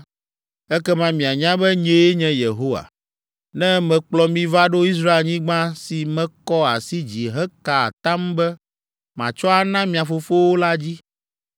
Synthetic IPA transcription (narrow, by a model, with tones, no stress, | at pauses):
ɛ˦kɛ˦mã˦mĩ˨a˨ɲã˦bɛ˦ɲẽ˦e˦ɲɛ̃˦je˨ɦo˦wa̰˨ | nɛ̃˦mɛ̃˨k͡plɔ˨mĩ˦va˦ɖo˦i˦s̬ɾa˦e˨lɲĩ˦ɡ͡bã˦si˨mɛ̃˦kɔ˦a̰˨si˦d͡ʑi˨ɦɛ˦ka̰˨t̪ã˦mbɛ˦ | mã˨t͡ʃɔ˦a˨nã˦mĩ˨a˨fo˨fo˦wo˦la˦d͡ʑi˦